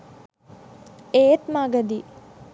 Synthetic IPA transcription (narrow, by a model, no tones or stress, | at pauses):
eːt̪maːɡɐd̪i